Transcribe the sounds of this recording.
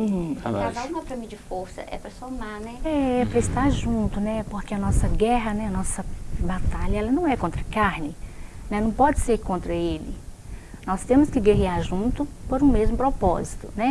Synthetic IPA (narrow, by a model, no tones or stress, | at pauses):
ũavaũɛpɾɐmĩd͡ʒɪfoɾsɐ̰ʔɛ̰pɾɐsomanɛɛɛpɾɐɪst̪aɾʒũt̪ʊnɛpoɾkeɐnɔsɐɡɛɦɐnɛɐnɔsɐbat̪aʎɐɛlɐnɐ̃w̃ɛkõnt̪ɾɐkaɾnɪnɛnɐ̃w̃pɔd͡ʒɪseɾkõnt̪ɾɐelɪ̰ | nɔst̪ẽmʊskɪɡeɦiaɾʒũt̪ʊpoɾũmezmʊpɾɔpɔ̰zit̪ʊnɛ